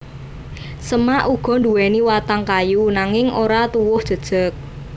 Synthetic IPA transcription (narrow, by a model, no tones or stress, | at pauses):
səmaʔuɡ̥ɔ̤nd̪uwɛniwat̪aŋkajunaŋɪŋʔoɾat̪uwʊhd̥ʒ̥ə̤d̥ʒ̥ə̤k̚